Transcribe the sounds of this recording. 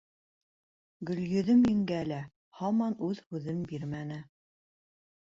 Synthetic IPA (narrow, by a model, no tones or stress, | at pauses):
ɡɵ̆ljɵ̆ðɘmĭŋɡælæ | hɑmɑnʉðhʉðɘmbiɾmænɘ